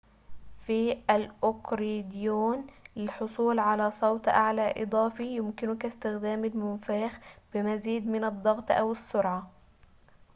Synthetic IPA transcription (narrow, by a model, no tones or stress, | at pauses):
fiʔalʔʊkɾid̪juːnlɪlħʊsˤuːlʕalaːsˤɑwt̪ˤʔa̰ʕlaːʔɨd̪ˤɑːfijʊmkɪnʊkast̪ɪxd̪aːmalmʊnfaːxb̥ɪmaziːd̪mɪnɨd̪ˤːɑɣt̪ˤʔa̰wɪsːʊɾʕa